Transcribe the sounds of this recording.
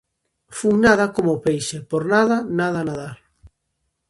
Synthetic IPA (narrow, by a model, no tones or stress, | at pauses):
fuŋnað̞akomopejʃepoɾnaðanaðanaðaɾ